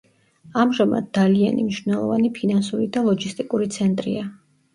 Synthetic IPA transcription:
amʒama̰d̪̚ːalia̰nḭmniʃvnɛlˠɔ̰vanipʰinansuɾid̪alˠɔɡist̪ʼikʼuɾit̪sʰɛnt̪ʼɾḭa

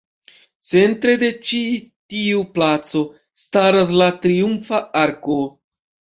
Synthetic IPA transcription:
t͡se̞ntɾe̞de̞t͡ʃitiuplat͡so̞ | staɾaslatɾiumfaaɾko̞

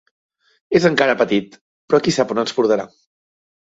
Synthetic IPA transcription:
ezəŋkaɾəpət̪it̪ | pɾɔkisaponənspuɾðəɾa

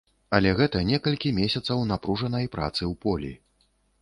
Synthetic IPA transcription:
ɐlʲɛɣɛt̪ɐnʲɛkɐlʲkʲimʲesʲɐt̪sɐwnapɾuʐɐnɐjpɾa̰t̪sɨwpɔlʲḭ

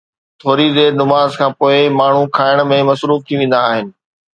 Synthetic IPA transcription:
t̪ʰoːɾid̪eːɾnʊmaːzkʰãːpoːɪmaːɳ̤ũkʰaːɪɽ̃mẽmɐsɾuːft̪ʰĩʋẽːn̆d̪aːɦɪnɪ̆

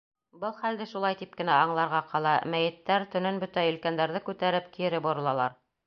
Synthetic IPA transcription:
bɤlˠχæld̪ɘʃulˠɑjt̪ip̚kɘ̆næɑɴlˠɑɾʁɑqʰɑlˠɑmæjɘ̆t̪ːæɾt̪ɵ̆nɘnbɵt̪æɵ̆lkænd̪æɾðɘkʉt̪æɾɘpkiɘ̆ɾɘbŏɾɤ̆lˠɑlˠɑɾ

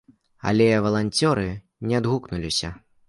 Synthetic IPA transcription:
a̰lʲɛvɐlˠanʲt͡sʲɔɾɨ | nʲɛad̪ɣuknulʲisʲɐ

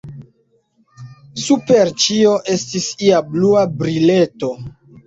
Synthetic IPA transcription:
supe̞ɾt͡ʃio̞ʔe̞stisiabluabɾile̞to̞

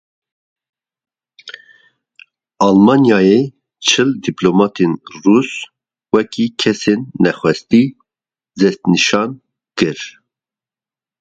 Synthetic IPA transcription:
ɑlmɑnjɑːje | t͡ʃʰɨld̪iplomɑːt̪ʰenrus | wɛkikʰɛsenːɛxʷwɛst̪i | zɛst̪nɨʃɑn | kɨɾ

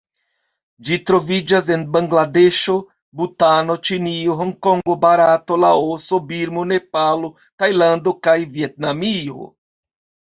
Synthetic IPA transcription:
d͡ʒitɾo̞vid͡ʒas̬e̞nbaŋɡlade̞ʃo̞ | butano̞t͡ʃinioɦoŋko̞ŋɡo̞baɾato̞laoso̞biɾmone̞palo̞ | tajlando̞kajvie̞t̚namio̞̰

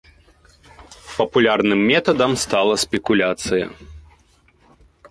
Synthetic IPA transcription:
pɐpulʲarnɨmːʲɛt̪ɐd̪ɐmst̪alˠɐsʲpʲɛkulʲat̪sɨjɐ̰

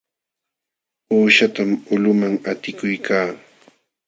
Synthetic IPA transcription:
uːʃat̪amʊlʊmaŋat̪ɪkʊjkʰaː

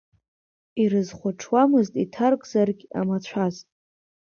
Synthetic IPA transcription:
iɾɨzχʷaʈ͡ʂʰwamɨztʼitʰarkʼzarɡʲa̰mat͡ɕʷʰaztʼ

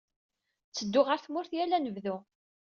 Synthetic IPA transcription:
t͡sːəd̪ːʊʁəɾθmʊɾθjælænəvðu

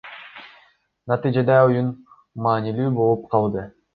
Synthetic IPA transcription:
nɑt̪ɨjd͡ʒɑd̪ɑujun | mɑːnilyːbo̞lˠup̚qʰɑlˠd̪ɯ

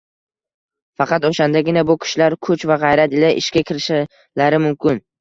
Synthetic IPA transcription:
fɑqɑt̪oʃand̪aɡʲɪnabʊkʲʰɪ̥ʃlaɾkʰʊt͡ʃvaʁɑjɾat̪ɪlaʔɪ̰ʃkʲakʲʰɪɾɪʃa | laɾɪmʊmkʲɪn

